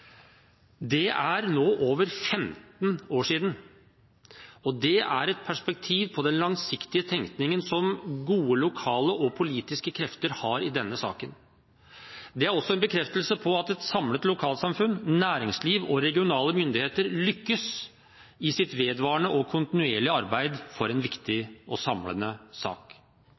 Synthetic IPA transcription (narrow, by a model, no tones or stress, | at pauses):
d̪ɛæɾnoːʔoːʋəɾfɛmt̪noːʂiːd̪n̩ | ɔd̪ɛʔæ̰ɾɛt̪̚pʰæʂpɛk̚t̪ʰiːʋpʰɔd̪ɛnlɑŋsɪkt̪ɪət̪ʰɛŋkt̪nɪŋənsɔmɡuːəlʊkʰɑːləʔɔpʰʊliːt̪ɪskəkʰɾɛft̪əɾhɑɾɪd̪ɛnːəsɑ̰ːkən | d̪ɛæɾɔsːɔɛnbəkʰɾɛft̪əlsəpʰɔɑt̪ɛt̪sɑmlət̪lʊkʰɑːlt̪sɑmfʉnːnæːɾɪŋsliːʋɔɾɛɡɪʊnɑːləmʏnd̪ɪheːt̪əɾlʏkːəs | ɪsɪt̪ʋeːd̪ʋɑːəɳəʔɔkʰʊnt̪ɪnʉeːɭɪɑɾbæɪd̪fɔɾɛnʋɪkt̪ɪɔsɑmlə̰nəsɑ̰ːk